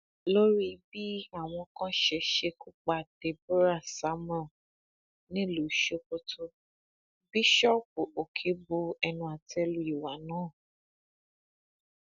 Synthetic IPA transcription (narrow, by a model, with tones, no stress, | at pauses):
lo˦ɾi˦bi˦a˦˨w̃ɔ̃˧kã˦ʃɛ˧ʃe˧ku˦k͡pa˦˨d̥e˨˦bu˦ɾa˦˨sa˨˦mɔ̃˦˨ | nĩ˦lu˨˦ʃo˧ko˧tʰo˦ | bi˦ʃɔ˦p̚u˨o˨kʰe˨˦bo˧ɛ˧nũ˧a˨tɛ˧lu˧i˨wa˨˦nãː˨˦˨